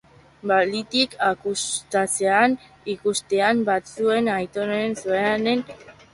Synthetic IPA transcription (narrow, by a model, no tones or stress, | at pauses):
balit̪ikakust̪at͡se̞an | ikust̪e̞ambat͡sue̞najt̪o̞noensueane̞n